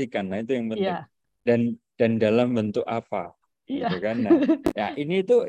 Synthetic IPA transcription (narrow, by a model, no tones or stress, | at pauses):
ikanait̪ujaŋbənʊ | dand̥andalambənt̪ʊkapa̰ | it̪ukanaja̰ʔinit̪u